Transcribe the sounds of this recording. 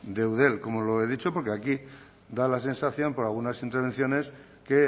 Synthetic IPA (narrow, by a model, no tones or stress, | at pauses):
d̪e̞wðe̞lko̞moloe̞ðit͡ʃo̞po̞ɾkeaki | d̪alas̬ensaθjo̞mpo̞ɾalɣ̞unasint̪eɾβen̟θjo̞ne̞s | ke